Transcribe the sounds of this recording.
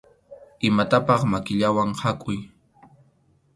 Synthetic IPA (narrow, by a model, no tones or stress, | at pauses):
ɪmat̪apɑχmakɪʎawaŋhakʼʊj